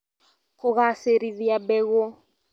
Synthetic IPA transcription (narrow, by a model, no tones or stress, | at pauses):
kʊɣaseɾiðiabɛɣo